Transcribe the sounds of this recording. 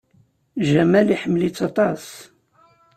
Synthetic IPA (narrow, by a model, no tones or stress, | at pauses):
ʒæmæliħəmːlit͡sːɑt̪ˤɑs